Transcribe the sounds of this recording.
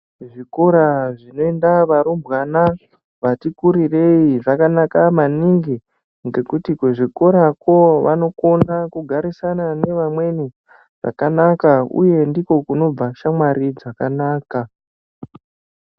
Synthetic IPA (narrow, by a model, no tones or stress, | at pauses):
ʐikoɾaʐino̞endaʋaɾumbwana | ʋatikuɾire̞iʐakanakamaniŋɡi | ŋɡe̞kutikweʐiko̞ɾako̞ʋa̰no̞ko̞nakuɡʱaɾisanane̞ʋamwe̞ni | ʐ̥a̰kanakaṵje̞ndiko̞kuno̞b͡vaʃamwaɾid͡zakanaːka